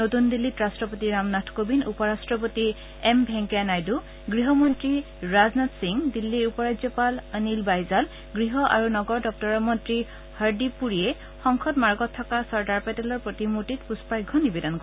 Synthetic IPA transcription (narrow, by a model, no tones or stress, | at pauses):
notundilːitɹastɹɔpotiɹamnatʰkobinṵpɔɹastɹɔpoti | ɛmbʱɛŋkanajdu | ɡɹiɦɔmɔntɹi | ɹaznatsiŋdilːiupɔɹazɔpalənilbajzal | ɡɹiɦɔʔa̰ɹunɔɡɔɹdɔk̚tɔɹɔmɔntɹi | haɹdipuɹiɛ | xɔŋkʰɔtmaɹɡɔtʰːɔkasɔɹkaɹpɛtɛlɔɹpɹotimutitpuspajɡʱɔnibɛdɔnk